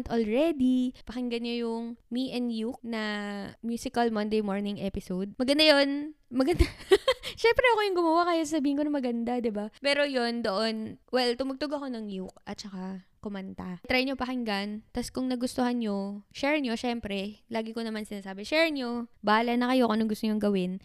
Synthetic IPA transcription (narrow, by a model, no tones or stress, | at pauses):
t̪olɹɛd̪ipɐhɪŋɡɐnɲojʊŋmiʔɛnd̪juk̚nɐmjuːsɪkɐlmɐnd̪ejmoɹnɪŋʔɛpɪsowd̪̚mɐɡɐnd̪ajo̞nmɐɡɐnd̪aʃɛmpɾɛʔɐkojʊŋɡʊmɐwakaːjasasɐbiːhɪnkonɐmɐɡɐnd̪ad̪ɪbapɛːɾo̞jo̞nd̪o̞ʔo̞nwɛlt̪ʊmɐɡ̚t̪oɡɐko̞nɐŋjuk̚ʔɐt̪̚t͡ʃɐkakʊmɐnt̪at̪ɾajɲopɐkɪŋɡant̪ɐskʊŋnɐɡʊst̪ohanɲoʃɛɹɲo̞ʃɛmpɾɛlaːɡɪkonɐmansɪnaːsaːbɛʃɛɹnɲo̞baːlɐnɐkɐjokonɐŋɡʊst̪oɲoŋɡɐwɪn